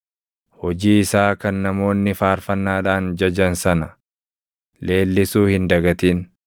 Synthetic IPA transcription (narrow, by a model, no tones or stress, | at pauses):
hɔd͡ʒiːɪsaːkɐnːɐmo̞ːnːɪfaːɾfɐnːaːᶑaːnd͡ʒɐd͡ʒɐnsɐnɐ | le̞ːlːɪsuːhɪnd̪ɐɡɐt̪iːn